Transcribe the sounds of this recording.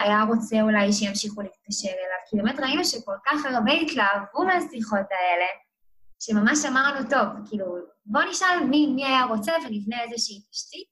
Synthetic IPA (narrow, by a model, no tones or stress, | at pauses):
ajaʁo̞t͡seulajʃejamʃiχuliit̚kaʃeʁelavkibe̞metʁainuʃeko̞lkaχaʁbeitlaːvumeasiχo̞tae̞le̞ | ʃemamaʃamaʁnuto̞vkiːlu | bo̞niʃalmimiajaʁo̞t͡sevenivneezeʃiːtḁʃtit